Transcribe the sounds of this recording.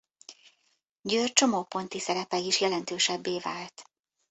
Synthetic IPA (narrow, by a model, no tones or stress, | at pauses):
ɟøːrt͡ʃo̞moːpo̞nt̪isɛɾɛpɛiʃjɛlɛnt̪øːʃɛbːeːvaːlt̪